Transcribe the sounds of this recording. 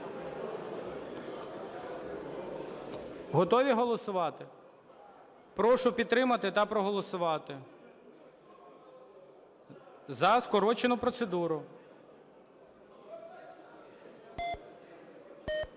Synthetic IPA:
ɦɔt̪ɔʋʲiɦɔlˠɔsʊʋɑt̪ɪ | pɾɔʃʊpʲid̪̚t̪ɾɪmɐt̪ɪt̪ɐpɾɔɦɔlˠɔsʊʋɑt̪ɪ | zɐskɔɾɔt͡ʃenʊpɾɔt̪sed̪uɾʊ

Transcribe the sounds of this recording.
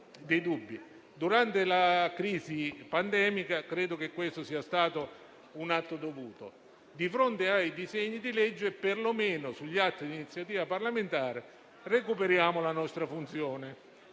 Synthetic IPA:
d̪ejd̪ubːi | d̪uɾant̪elakɾiːzipand̪ɛːmikakɾɛːd̪okekːwest̪ʊsiːast̪aːt̪ʊ | unat̪ːod̪ovuːt̪o̰ | d̪ifɾont̪eajd̪izeɲːid̪ilɛd͡ʒːʊɛpːerlomeːnʊsuʎːat̪ːid̪init̪sːjat̪iːvaparlament̪aːɾe | rekupeɾjaːmʊlanɔst̪ɾafunt̪sjɔːnɪ

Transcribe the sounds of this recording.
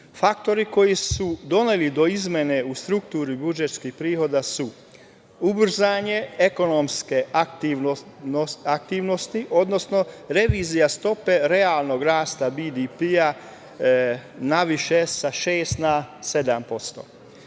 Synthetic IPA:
fakt̪o̞ɾiko̞jisud̪o̞nelid̪o̞izmʲje̞neust̪ɾukt̪uːɾibud͡ʒet̪skihpɾiːho̞d̪asu | ubr̩zaːɲe̞eko̞nomske̞t̪iʋ | ak̚t̪iːʋno̞st̪iʔo̞d̪no̞sno̞ | ɾe̞ʋiːzijast̪o̞pe̞ɾe̞aːlˠno̞ɡɾaːst̪abid̪ipia | naʋiʃesaʃeːst̪nase̞d̪ampo̞st̪o̞̰

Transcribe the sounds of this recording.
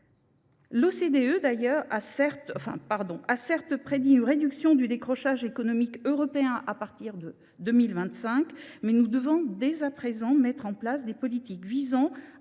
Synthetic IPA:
losed̪eød̪ajœʁasɛʁt̪ɔ̃fɛ̰̃paʁd̪ɔ̃ʔasɛʁt̪pχed̪iynʁed̪yksjɔ̃d̪yd̪ekχɔʃaʒekɔnɔmikøʁɔpeɛ̃ʔapaʁt̪iʁd̪ə | d̪ømilvɛ̃t̪sɛ̃kmɛnud̪əvɔ̃d̪ezapχezɑ̃mɛt̪χɑ̃plasd̪epɔlit̪ikvizɑ̃

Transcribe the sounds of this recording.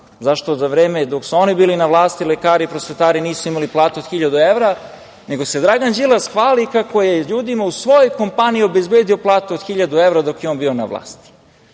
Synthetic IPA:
zaʃt̪ozaʋɾeːmed̪o̞ksuonibiːlinaʋlˠaːst̪ilekaːɾipɾosfet̪aːɾiniːsuimaliplˠaːt̪uod̪̥xiʎad̪ueʋɾa | ne̞ɡo̞se̞d̪ɾaɡand͡ʒilˠasxʋaːlikako̞jeʎuːd̪imausʋo̞jojko̞mpanijio̞bezbeːd̪io̞plˠaːt̪uod̪xiʎad̪uevɾad̪o̞kjeoːnbiːona̰ʋlˠa̰ːst̪i̥

